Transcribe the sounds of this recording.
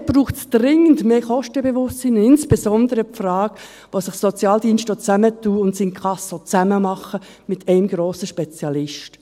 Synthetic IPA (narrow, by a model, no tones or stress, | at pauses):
b̥ruːχtsd̥rɪŋːəntmeːχɔʃtəbeʋʊst͡siːnɪnsb̥ezɔndəɾəpfrɑːk | ʋosɪχsot͡sjɑːldiːnsʃtot͡sæmətuːʊntsiːnkʰɑsot͡sæməmɑχə | mɪtʰɛɪmɡ̥ɾoːsəʃpɛt͡sjɑlɪʃt